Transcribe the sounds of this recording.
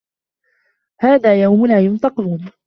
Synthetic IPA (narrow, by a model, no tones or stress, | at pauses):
haːðaːjawmʊnaːjʊnt̪ɑquːn